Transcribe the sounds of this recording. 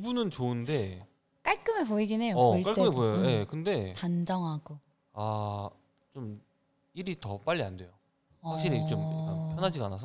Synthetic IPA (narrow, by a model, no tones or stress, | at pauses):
kibunɯnt͡ɕoɯnde̞ | k͈aɭk͈ɯmepoiɡinɦe̞joʌɭk͈aɭk͈ɯɯmepooje̞kɯnde̞tand͡ʑʌŋɦaɡo | a | t͡ɕom | iɾitʌp͈aʎːiandwe̞jo | hakɕ͈iɾit͡ɕomapʰjʌnɦad͡ʑiɡanasʰʌ